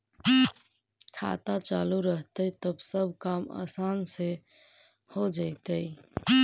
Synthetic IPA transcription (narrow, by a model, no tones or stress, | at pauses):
kʰa̰t̪at͡ʃaluɾəɦt̪əit̪əbsəb̚ʱkama̰sanse | hod͡ʒaɪt̪əj